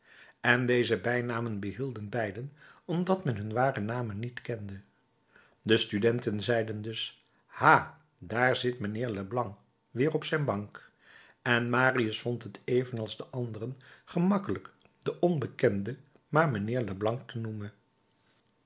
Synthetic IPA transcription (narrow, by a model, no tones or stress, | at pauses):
ɛndejzəbɛjnaːmənbəɦilˠdənbɛjdənɔmdɑtmɛnɦɵnʋaːrənaːmənːitkɛndə | dəstydɛntənzɛjdəndɵs | haː | daːɹzɪtmənɪːɹləblɑŋk | ʋɪːrɔpsɛjnbɑŋk | ɛnmaːriəsfɔntɦətejvənɑlˠzdəʔɑndərənχəmɑkələk | d̥əʔɔnbəkɛndə | maːɹmənɪːɹləblɑŋk̚tənumən